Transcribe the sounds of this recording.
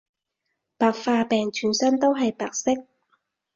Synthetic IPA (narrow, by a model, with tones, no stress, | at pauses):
paː˨k̚faː˧pɛː˨˩ŋt͡ʃʰyː˨˩nsɐ˥nt̪o˥wɦɐ˨jpaː˨k̚sɪ˥k̚